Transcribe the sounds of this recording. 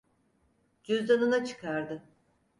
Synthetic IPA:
d͡ʒyzd̪anunat͡ʃʰɯ̥kʰaɾd̪ɯ

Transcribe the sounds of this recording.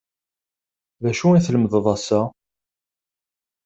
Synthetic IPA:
ðæʃuinθləmðəðˤɑsæ

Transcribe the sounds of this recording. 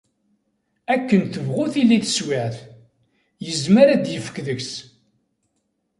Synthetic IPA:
ækːənθəvʁʊθilːiθə̥swɪʕθ | jəzməɾæd̪jəfə̥kðəçs

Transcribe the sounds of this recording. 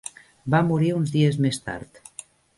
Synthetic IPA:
bamuɾiunzðiezmest̪a̰ɾt̪

